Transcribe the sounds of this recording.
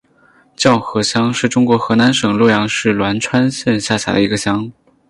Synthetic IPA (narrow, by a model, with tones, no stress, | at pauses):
t͡ɕjɑ˥˩ʊxɤ˧˥ɕjɑ˥ŋʂɻ̩˥˩ʈ͡ʂʊ˥ŋkwɔ˧˥xɤ˧˥na˧˥nʂɤ˨˩ŋlwɔ˥˩jɑ˧˥ŋʂɻ̩˥˩lwa˧˥nʈ͡ʂʰwa˥nɕjɛ˥˧nɕja˥˩ɕja̰˨˩d̪ə̰˦˧i˧˥ɡə˧ɕjɑ˥ŋ